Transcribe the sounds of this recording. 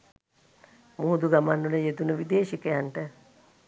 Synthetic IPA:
muɦud̪uɡamanːuləjed̪unəʋid̪eːʃikəjanʈə

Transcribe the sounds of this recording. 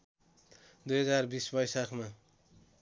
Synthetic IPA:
d̪ujɦʌd͡zarbisbʌjsakʰma

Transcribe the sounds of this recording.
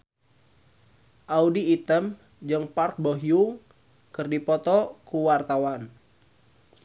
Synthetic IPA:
ʔaudiːt̪əm | d͡ʒɨŋpark̚boɦjuŋ | kərdipɔt̪ɔkuwart̪awan

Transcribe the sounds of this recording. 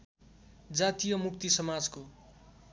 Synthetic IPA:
d͡zat̪ijʌmuk̚t̪isʌmad͡zko

